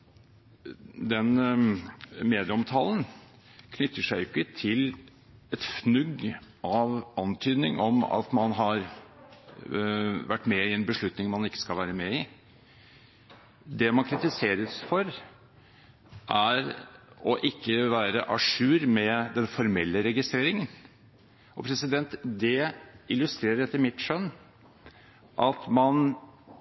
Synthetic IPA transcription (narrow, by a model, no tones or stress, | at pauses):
d̪ɛn | meːd̪ɪəɔmt̪ʰɑːlən | kʰnʏt̪ːəʂæɪɪkːət̪ʰɪl | ɛt̪fnʉɡʔɑʋɑnt̪ʰyːd̪nɪŋʔɔmɑ̰t̪mɑnɦɑɾ | ʋæʈːmɛɪɛnbəʂɭʉt̪nɪŋmɑnɪkːə̥skɑlʋæːɾəmɛɪ | d̪ɛmɑnkʰɾɪt̪ɪseːɾəsfɔɾ | ʔæɾɔʔɪkːəʋæːɾəʔɑʂʉːɾmɛd̪ɛnfɔɾmɛlːəɾɛɡɪst̪ɾeːɾɪŋən | ʔɔpʰɾɛsɪd̪ɛnt̪d̪ɛɪlʉst̪ɾeːɾəɾɛt̪ːəɾmɪt̪ʂœnː | ʔɑt̪mɑn